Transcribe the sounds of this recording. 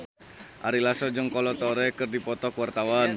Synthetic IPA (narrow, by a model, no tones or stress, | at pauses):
ʔaɾilasɔd͡ʒəŋkɔlɔt̪ɔɾɛkɨrdipɔt̪ɔkwart̪awan